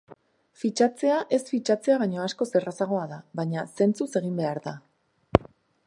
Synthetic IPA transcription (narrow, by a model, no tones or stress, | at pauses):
fit͡ʃat͡se̞aʔe̞sfit͡ʃat͡se̞aβ̞ajɲo̞asko̞se̞rasaɣ̞o̞aðaβaɲase̞nt͡suse̞ɣ̞imbe̞aɾða